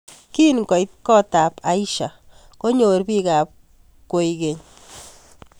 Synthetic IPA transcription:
ki˦nkɔ˨jt̚kɔ˦ta˨pa˨˦i˦ʃa˨ | ko˦ɲo˨ɾbi˦ka˨p̚ | ko˨ike˨ɲ

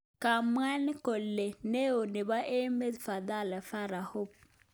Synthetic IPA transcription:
ka˨m˦a˦ni˦ko˨lːe˨ne˦o˨nɪ˨ba˦ʔe˦me˦dfa˨d̪a˦˨la˨fa˦ɾa˨ho˦p̚

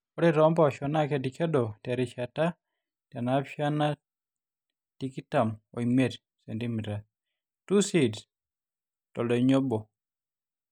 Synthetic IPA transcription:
ɔ˦ɾiɾɔ˦mba˦ɔʃɔna˦ke˨dike˦dɔ˨tɛ˨ɾi˨ʃata˦ | tja˨napa˦na˦ | tikita˨mo̰˨ime˦d | se˨ndimi˨ɾa˨ | tu˦sid | tɔ˨lɔɲo˦bɔ˨

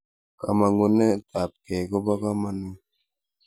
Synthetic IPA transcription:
ka̰˨ma˨ŋu˦nɛ˦ta˨p̚kɛ˨kɔ˦ba˦ka˦ma˦nu˦

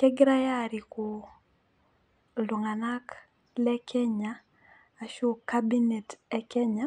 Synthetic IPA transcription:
kɛ˦ɡɪɾa˦ja˦˨ɾi˨ko˨ | lo˨ŋa˨na˦k | lɛ˦kʰɛ˦ɲaː˨ | ʃo˦ka˦bi˦ne˨tɛ˦kɛ˦ɲa˦

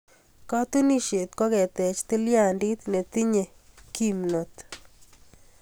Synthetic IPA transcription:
kɔ˦t̪u˦ni˦ʃe˨t̪̚kɔ˦kɛ˨t̪ɛ˨t͡ʃt̪i˦lja˦˨ndi˦t̪ne˨t̪i˦ɲe˨ | ki˦mno˨t̪

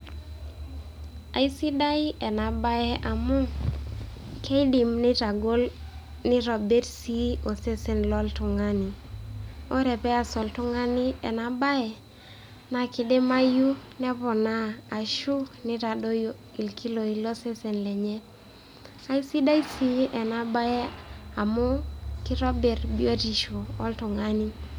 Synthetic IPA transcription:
a˨i˦si˦da˦i˦ɛ˨na˨ba˦ɛ˦ʔa˨mu˦ŋ | kʰe˦i˦di˨mnɪ˦ta˨ɡo˦l | nɪ˦ɾɔ˨bɛ˦ɾsi˦o˨se˦sɛ˨nlɔ˦ltʊ˨ŋa˦ni˨ | o˦ɾɛ˨pɛ˦a˨sɔ˨ltʊ˦ŋa˦ni˦ɛ˨na˨ba˦ɛ˨ | na˨kɪ˨de˦ma˦ju˦nɛ˦pɔ˨naː˦˨ʃu˦nɪ˦ta˨do˦jo˨ | i˨lkʰi˦lo˨i˨lo˦se˦sɛ˨nlɛ˨ɲɛ˦ | a˦i˦si˦da˦i˦si˦ʔɛ˨na˨ba˦ɛ˦a˨mʊ˦kɪ˦ɾɔ˦bɛ˨ɾbi˦o˦ti˨ʃo˨ɔ˦ltʊ˨ŋa˦ni˦

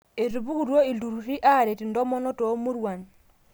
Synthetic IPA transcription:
e˨ɾu˨bu˦ku˨ɾwo˦i˨lu˨ɾu˨ɾi˦ʔa˦˨ɾe˨ti˨ndɔ˦mɔ˦nɔ˦to˨˦mu˦ɾwa˨n

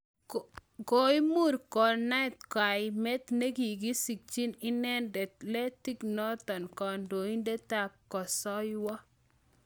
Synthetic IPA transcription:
ɡo˨˦i˦mu˦ɾkɔ˨na˦ɪ˨t̪̚kwa˨ɪme˦t̪ne˦ɡi˨ɡi˦si˨k̚t͡ʃi˦nɪ˦nɛ˦ndɛ˨tlɛ˦ti˦knɔ˦t̪ɔ˨nkɔ˨ndo˨i˦nde˦ta˦kkːɔ˨sɔ˦jwɔ˦

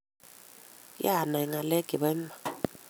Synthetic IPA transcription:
ja˦˨na˨i˨ŋa˨lɛ˦ɡ̥ʱɛ˨βɛ˦m˦a˨

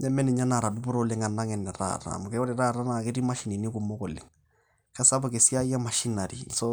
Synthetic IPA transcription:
ɲa˦mɛ˦nɪ˨ɲa˦na˨ɾa˨du˦bʊ˦ɾo˦lɪ˨ŋa˨na˦ŋɛ˨nːɛ˨ɾa̰˦˨ɾa̰˨mʊ˨kɛ˦wɔ˦ɾɪ˨ɾa˦˨ɾa˦na˨kɪ˦ɾi˦ma˦ʃi˨ni˨ni˦ku˨mo˦kɔ˨lɪ̰˨ŋ | ka˦sa˦bɔ˨ke˨si˦a˦a˦ma˨ʃi˦na˨ɾḭ˨sɔ˦

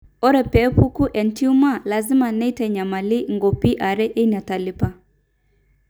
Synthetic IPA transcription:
ɔ˦ɾɛ˨pɛ˨˦pu˦ku˦ʔɛ˨nti˦u˦ma˦˨la˨zɪ˦ma˨nɛ˦tɛ˨ɲa˨ma˨li˦ŋɡo˨pi˦ʔa˨ɾɛ˦ʔe˦ni˨a˨ta˨lɪ˦pa˦

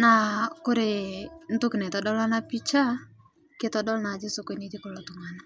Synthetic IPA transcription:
na˨ko˦ɾe˨n̩˦tu˦knɛ˨tɔ˨dɔ˦la˦na˦pi˦t͡ʃa˦ | ke˦tɔ˦dɔ˦lna˨d͡ʒɪ˦so˦ke˨ni˦ti˦kɔ˨lɔ˦tu˨ŋa˨na˨

